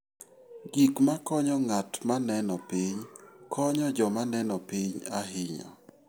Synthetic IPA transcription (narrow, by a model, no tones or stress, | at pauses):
ɡikmakɔɲɔŋatmanɛnɔpɪɲkʰɔɲɔd͡ʒɔmanɛnɔpɪɲaɦɪɲɔ̰